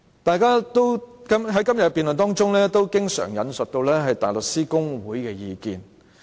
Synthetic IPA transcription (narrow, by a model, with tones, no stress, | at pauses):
t̪aː˨˧jkaː˥t̪o˥wkɐ˥mɦɐ˨˥jkɐ˥mjɐ˨piː˨nlɵ˨nt̪ɔː˥ŋt͡sʊ˥ŋlɛː˥t̪o˥wkɪ˥ŋsœ̰ː˨˩ŋjɐ̰˨˧nsɵ˨t̚t̪o˧wlɛː˥ɦɐ˨jt̪a̰ː˨˩lʊ˨k̚siː˥kʊ˥ŋwuː˨˥jkɛː˧jiː˨˧kḭː˨n